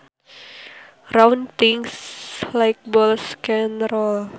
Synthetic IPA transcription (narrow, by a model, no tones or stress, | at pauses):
rawnt̪iŋslajk̚bɔlskɛnɾɔl